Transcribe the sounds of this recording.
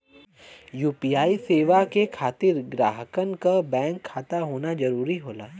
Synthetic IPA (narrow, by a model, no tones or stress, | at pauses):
juːpijaːiseːʋakekʰaːt̪ɪɾɡɾaːɦəkənkabɛ̃ːŋkʰːaːt̪aɦoːnad͡ʒɐɾuːɾiɦoːla̰ː